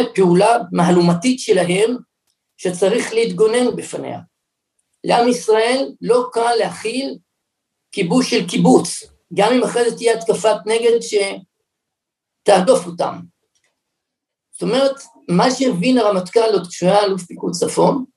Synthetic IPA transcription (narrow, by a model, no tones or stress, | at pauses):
peulamaɦalumatitʃe̞laɦe̞m | ʃet͡saʁiχleit̪ɡo̞ne̞nubefanḛha̰ | leamisʁae̞lːo̞kanlehaχil | kibusʃelkibut͡s | ɡamimaχʁezet̪ːijeat̪kafatne̞ɡe̞dʃe̞ | t̪aadofota̰m | zzot̪o̞me̞ʁet̪ | maʃeevinaʁamat̪kanlot̪kʃujalufpikut͡safo̞n